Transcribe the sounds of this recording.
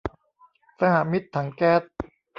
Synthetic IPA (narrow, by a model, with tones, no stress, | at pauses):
sa˧ha˨˩mi˦˥t̪ʰːa˩˦ŋkɛː˦˥t̪̚